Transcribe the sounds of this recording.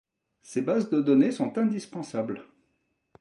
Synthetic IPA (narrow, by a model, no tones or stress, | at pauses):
sebazd̪əd̪ɔnesɔ̃t̪ɛ̃d̪ispɑ̃sabl